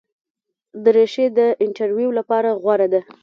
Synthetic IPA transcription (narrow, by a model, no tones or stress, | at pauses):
d̪əɾeʃed̪əʔɪɳʈaɾwjuwlapɑɾaɣwaɾad̪a